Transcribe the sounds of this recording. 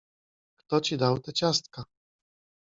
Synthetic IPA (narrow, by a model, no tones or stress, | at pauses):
kt̪ɔt͡ɕid̪awt̪ɛt͡ɕast̪ka